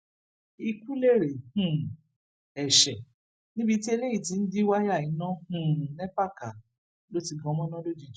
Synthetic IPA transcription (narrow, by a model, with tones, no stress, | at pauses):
i˧ku˦le˦˨ɾe˨hũ˨ | ɛ˨ʃɛ˨ | nĩ˦bi˧ti˦e˧le˦i˦˨ti˨˦n̩˦di˦wa˦ja˦˨i˨˦nã˦hũ˦˨nɛ̃˦pa˦˨ka˨ | lo˦ti˧ɡã˧˦mɔ̃˦nã˦lo˦d͡ʒi˦˨d͡ʒ